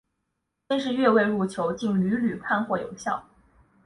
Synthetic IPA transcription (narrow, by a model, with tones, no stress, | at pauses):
t͡ɕɛ˥nʂɻ̩˥˧ɥɛ˥˧we˥˧ɪɻu˥˩t͡ɕʰjo˧˥ʊt͡ɕi˥˩ŋly˧˥ly˨˩pʰa˥˧nxwɔ˥˩jo̰˨˧˥ʊɕjɑ̰˥˩ʊ